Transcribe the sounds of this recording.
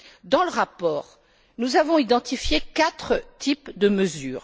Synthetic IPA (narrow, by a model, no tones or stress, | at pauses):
d̪ɑ̃ləʁapɔːʁ | nuzavɔ̃id̪ɑ̃t̪ifjekat̪χət̪ʰipd̪əməzyːʁ